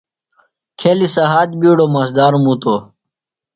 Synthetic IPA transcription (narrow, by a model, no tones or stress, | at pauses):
kʰelisɐɦaːd̪̚biːɽomɐsd̪aːɾumut̪o